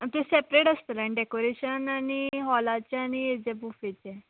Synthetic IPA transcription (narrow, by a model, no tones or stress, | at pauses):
t̪esepɾeʈəst̪əlaɳiɖekoɾeɕənaniɦɔlat͡ɕaañied͡ʑebufet͡ɕɛ